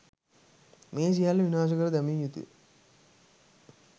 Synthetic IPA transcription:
meːs̬ijaːlːɐʋinaːʃ̬ɐɡɐɾd̪ɐmijut̪ṵ

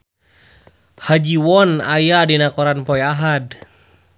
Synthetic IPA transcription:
had͡ʒiwɔnajadinakɔɾanpɔjaɦad

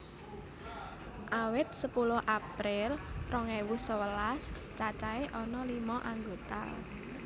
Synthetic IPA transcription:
ʔawɪt̪̚səpulʊhʔapɾɪlrɔŋewusəwəlas | t͡ʃat͡ʃaeʔɔnɔlimɔʔaŋɡot̪a̰

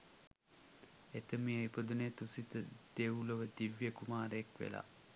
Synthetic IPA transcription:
et̪əmijəipəd̪unejt̪usit̪əd̪̥euləʋəd̪iʋjəkumaːɾəekʋḛla̰

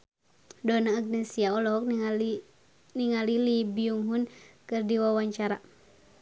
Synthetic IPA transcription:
dɔnaːɡ̚nɛsiaɔlɔk | niŋalilibiuŋɦunkɨrdiwawaɲt͡ʃaɾa

